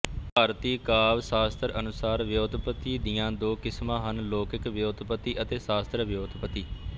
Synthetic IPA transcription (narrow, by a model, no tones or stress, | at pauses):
paːɾt̪iːkaːʋsaːst̪əɾənʊsaːɾʋjoːd̪pət̪iːd̪ɪjãːd̪oːkɪsmãːɦənloːkɪkʋjoːd̪pət̪iːʔət̪eːsaːst̪ɾəʋjoːd̪pət̪iː